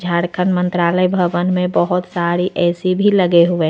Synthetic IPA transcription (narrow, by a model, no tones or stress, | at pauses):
d͡ʒʱaːɽkʰənmə̃nt̪ɾaːləjbʱəʋənmẽbəɦʊt̪saːɾiʔɛːsibʱiləɡeɦʊe